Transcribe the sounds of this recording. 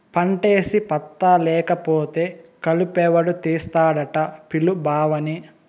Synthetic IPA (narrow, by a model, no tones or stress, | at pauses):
pɐɳʈe̞ːsipɐt̪ːɐlɛːkɐpoːt̪eːkɐlupɛːʋɐɽut̪iːst̪aːɽɐʈɐpilubʱaːʋɐni